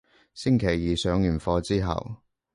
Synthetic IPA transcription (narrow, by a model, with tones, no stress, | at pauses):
sɪ˥ŋkʰe˨˩jːiː˨sœː˨˧ŋjyː˨˩nfɔː˧t͡siː˥ɦɐ̰˨w